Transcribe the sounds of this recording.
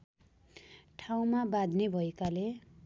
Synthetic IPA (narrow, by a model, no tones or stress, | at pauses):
ʈʰaw̃mabad̪ʱnebʱʌekale